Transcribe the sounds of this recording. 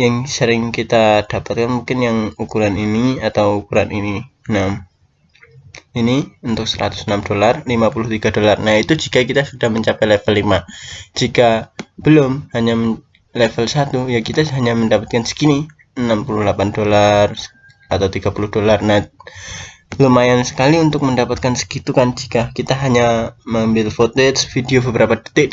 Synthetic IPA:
jaŋsəɾɪŋkit̪ad̥apat̪̚kanmuŋkɪnjaŋukuɾaniniat̪awukuɾa̰nʔini | ənam | iniunt̪ʊk̚səɾa̰t̪ʊ̥sənamdolarlimapulʊht̪iɡadolarnahit̪ud͡ʒikakit̪asudahməɲt͡ʃapɛlɛfəlːimad͡ʒikab̥əlʊmhaɲamə | lefəlsat̪ujakit̪aɦaɲaməndapat̪̚kansə̥kini | ənampulʊhlapandolar | at̪awt̪iɡapulʊhdolarnah | ləmajansə̥kaliunt̪ʊk̚məndapat̪̚kansə̥kit̪ukand͡ʒikakit̪aɦaɲaməmbɪlfot̪ɛt̪sfideobəbəɾʔapadə̥t̪ɪk

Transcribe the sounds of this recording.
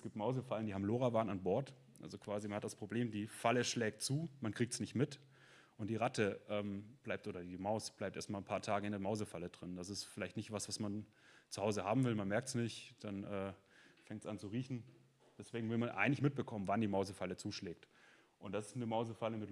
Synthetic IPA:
ɛsɡ̥iːp̚tmaʊzəfaləndiːhaːbm̩loːʁavaːnanbɔɐt | ʔa̰lzokv̥aːzimanhatd̥aspʁ̥obleːmdiːfaləʃlɛːk̚tt͡suːmankʁ̥iːk̚tsnɪçtmɪt | ʔʊntd̥iːʁatəʔɛːmb̥laɪp̚tʔoːɾɐdiːmaʊsb̥laɪp̚tʔeːɐtmalnpʰaːɐtʰaːɡəɪndeɐmaʊzəfalədʁɪnd̥asɪstfɪlaɪçtnɪçtv̥asv̥asman | t͡suhaʊzəhaːbm̩vɪlmanmɛɐktsnɪçtd̥anʔɛːfɛŋtsʔant͡suʁiːçn̩ | d̥ɛsv̥eːɡŋ̩vɪlmanʔa̰ɪɡŋlɪçmɪt̚b̥əkʰɔmənvandiːmaʊzəfalət͡suːʃlɛːk̚t | ʔʊntd̥asɪ̥stnəmaʊzəfaləmɪt

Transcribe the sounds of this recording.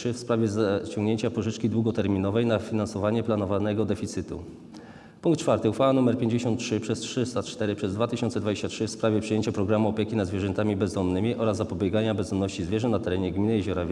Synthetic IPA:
ɘfspɾavʲjɛzt͡ɕɔ̃ŋɡɲeɲt͡ɕapɔʐɘt͡ʂkʲid̪wuɡɔt̪ɛɾmʲinɔvɛjnafʲinansɔvaɲɛplanɔvanɛɡɔd̪ɛfʲit̪sɘt̪ṵ | puŋkt̪̚t͡ʂfaɾt̪ɘufawanumɛɾpʲjeɲd͡ʑeɕɔnt̪̚tʂɘpʂɛstʂɘst̪at͡ʂt̪ɛɾɘpʂɛzd̪vat̪ɘɕɔntsɛd̪vad͡ʑeɕt͡ɕatʂɘfspɾavʲjɛpʂɨjeɲt͡ɕapɾɔɡɾamuɔpʲjekʲinad̪zvʲjɛʐɛnt̪amʲibɛzd̪ɔmnɘmʲiʔɔɾazːapɔbʲjɛɡaɲabɛzd̪ɔmnɔɕt͡ɕizvʲjɛʐɛnat̪ɛɾɛɲɛɡmʲinɘjɛʑɔɾavʲ

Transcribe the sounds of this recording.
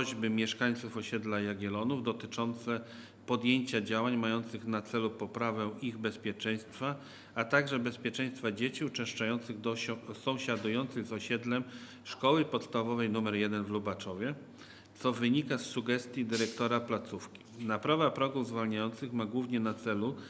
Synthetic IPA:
ɔʑbɘmʲjɛʂkaɲt̪sufɔɕɛd̪lajaɡʲɛlɔnuvd̪ɔt̪ɘt͡ʂɔnt̪sɛ | pɔd̪jeɲt͡ɕad͡ʑawaɲmajɔnt̪sɘxnat̪sɛlupɔpɾavɛiɣbɛspʲjɛt͡ʂɛj̃st̪fa | at̪aɡʐɛbɛspʲjɛt͡ʂɛ̃j̃st̪fad͡ʑet͡ɕiut͡ʂɛ̃ʂt͡ʂajɔnt̪sɘɣd̪ɔsɔ̃w̃ɕad̪ujɔnt̪sɘɣzɔɕɛd̪lɛm | ʂkɔwɘpɔt̪st̪avɔvɛjnumɛɾjɛd̪ɛnvlubat͡ʂɔvʲjɛ | t̪sɔvɘɲikasːuɡɛst̪ʲjid̪ɘɾɛkt̪ɔɾaplat̪sufkʲi̥napɾavapɾɔɡuvzvalɲajɔnt̪sɘxmaɡwuvɲɛnat̪sɛlu

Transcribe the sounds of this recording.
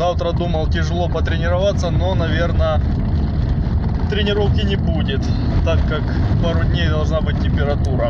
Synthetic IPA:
avt̪ɾəd̪uməlˠtʲɪʐɨlˠo̞pət̪ɾʲɪnʲɪɾɐvat̪sːəno̞nɐvʲe̞rnə | t̪ɾʲɪnʲɪɾo̞fkʲɪnʲɪbudʲɪt̪ | t̪ːakːak | paɾʊdʲnʲejd̪ɐlˠʐnabɨt̚ʲtʲːɪmʲpʲɪɾɐt̪uɾə

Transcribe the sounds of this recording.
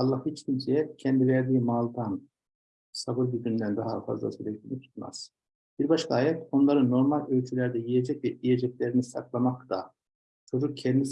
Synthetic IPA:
alˠːahit͡ʃcʲʰimsɛjɛcʰɛnd̪ivæɾd̪iːmaːlˠd̪an | sabɯɾbiɟʲynd̪ænd̪aɦa̰fa̰zlˠa̰syɾɛclʲinʲit̪ʰu̥t̪ma̰z̥ | b̥iɾbaʃkʰaaːjɛt̪o̞nlˠaɾɯno̞ɾmalʲølʲt͡ʃʰylʲæɾd̪ɛjijed͡ʒɛcvɛʔijed͡ʒɛclʲeɾinisaklˠamakt̪a̰ | t͡ʃʰo̞d͡ʒuk̚cʰɛnd̪i

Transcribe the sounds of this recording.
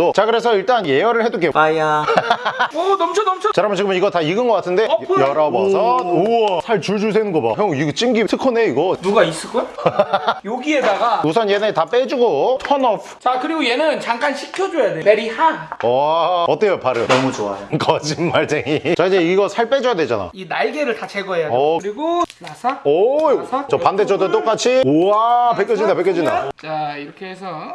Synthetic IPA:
ot͡ɕakɯɾe̞s̬ʰʌiɭt͈anjejʌɾɯɭheduk͈eaja | ʌnʌmt͡ɕʰonʌmt͡ɕʰʌt͡ɕaɾamɯnt͡ɕiɡɯmɯniɡʌtaiɡɯnɡʌk͈atʰɯnde̞jʌɾʌbʌ̰sʰʌosʰaɭt͡ɕuɭd͡ʑus̬ʰenɯnɡʌba̰ɦjʌŋit͡ɕ͈iŋɡisʰɯkʰone̞iɡʌnuɡais͈ɯkʌj | joɡie̞daɡaus̬ʰʌnjenetap͈ed͡ʑuɡotʰʌnʌpʰt͡ɕakɯɾiɡoje̞nɯnt͡ɕaŋk͈anɕʰi̥kʰjʌd͡ʑojademeɾihaʌʌt͈ejopaɾɯnʌmut͡ɕoa̰jokʌd͡ʑimmaɭs͈eŋit͡ɕʌid͡ʑeiɡʌsʰaɭp͈ed͡ʑʌjadwe̞d͡ʑana̰jo̰inaɭɡeɾɯɭtat͡ɕeɡʌejadʌɯɾiɡonasʰaʌaʌpanded͡ʑʰʌd̪ɯt͈ok͈at͡ɕʰiapekʰjʌd͡ʑind̪apeɭkʰʌd͡ʑind̪at͡ɕaiɾʌkʰeesʰʌ

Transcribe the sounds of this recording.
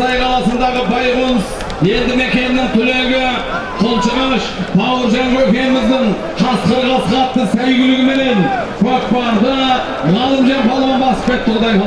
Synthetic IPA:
ɑjqʰɑlˠɑsənd̪ɑʁəbɑjʁolˠəs | je̞nd̪ɪme̞kʲe̞nnɪŋt̪ʰʏle̞ɡʲɪ | qʰəlˠt͡ʃəʁɑʃt̪ʰɑwəɾʒeŋɡɵkʲe̞ɪmɪzd̪ɪŋ | ʃɑsqəɾʁɑsəʁɑt̪ːəsæjɡʲɪlɪɡʲɪme̞ne̞nkʰok̚pɑɾd̪ə | ʁɑlˠəmʒeɾpɑlˠʁɑnbɑsə̥p̚kʲe̞t̪ːʁd̪ɑjɑ

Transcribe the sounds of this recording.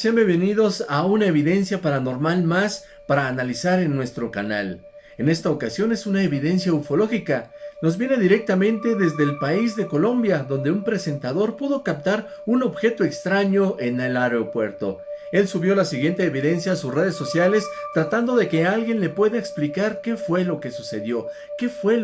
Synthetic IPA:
sembeβenið̞o̞saunae̞βiðe̞nsjapaɾano̞ɾmalmas | paɾaːnalisaɾenːwe̞st̪ɾo̞kana̰l | e̞ne̞st̪aokasjo̞ne̞sunaeβiðe̞nsjaufo̞lo̞xikano̞zβje̞ne̞ðiɾe̞k̚t̪amẽ̞nt̪e̞ðe̞zðe̞ːlpaizðe̞ko̞lo̞mbjaðo̞nd̪e̞umpɾe̞se̞nt̪aðo̞ɾpuðo̞kap̚t̪aɾ | uno̞βxe̞t̪o̞e̞kst̪ɾaɲo̞ene̞laɾeopweɾt̪o̞̰e̞lsuβjo̞lasiɣje̞nt̪e̞ːβiðe̞nsjaːsusre̞ð̞e̞sːo̞sjale̞st̪ɾat̪and̪o̞ðe̞ke̞alɣje̞nle̞pwe̞ðaeksplikaɾke̞fwe̞lo̞ke̞suse̞ðjo̞ | ke̞fwe̞

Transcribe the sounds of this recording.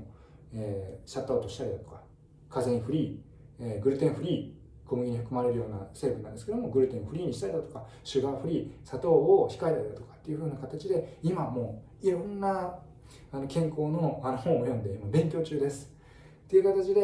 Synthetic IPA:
eːɕat̪ːaoːt̪o̞ɕi̥t̪aɾʲid̪at̪o̞̥kḁ | kazẽ̞ɲ̃ɸɯ̟ɾʲiː | eɡɯ̟ɾɯ̟t̪ẽ̞ɰ̃ɸɯ̟ɾʲiː | ko̞mɯ̟ɡʲiɲ̟ihɸɯ̟kɯ̟maɾe̞ɾɯ̟jo̞ːnase̞bɯnã̰nd̪esɨ̥ked̪omoɡɯ̟ɾɯ̟t̪ẽ̞ɰ̃ɸɯɾʲiːɲ̟iɕi̥t̪aɾid̪at̪o̞ka | ɕɨɡaɸɯ̟ɾʲiːsat̪o̞ːçi̥kaet̪aɾid̪at̪o̞kḁt̪ːe̞jiɯ̟ɸɯ̟ːnakat̪at͡ɕid̪e̞imamo̞ː | iɾõ̞nːa | ano̞kẽ̞ŋko̞ːno̞ano̞hõ̞ojõnd̪e̞imabẽ̞ŋkʲo̞ːt͡ɕɨːd̪e̞sɨ̥ | t̪ːe̞iɯ̟kat̪at͡ɕid̪e̞

